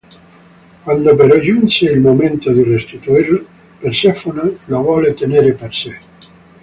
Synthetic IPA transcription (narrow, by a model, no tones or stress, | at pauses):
kwand̪opeɾɔd͡ʒunseilmoment̪od̪irest̪it̪uir | persɛfonelovɔːlet̪eneːɾeperse